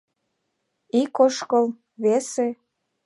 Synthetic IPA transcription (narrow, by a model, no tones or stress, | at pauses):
ikoʃkɤl | βese